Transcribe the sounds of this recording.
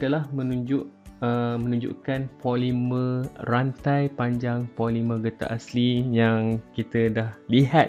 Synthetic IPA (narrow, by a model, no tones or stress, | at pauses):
adəlahmə̃nũɲd͡ʒʊʔəmə̃nũɲd͡ʒṵʔkanpolimə̃rant̪ajpaɲd͡ʒaŋpolimə̃ɡət̪a̰ʔaslijaŋkit̪ədahliɦat̪̚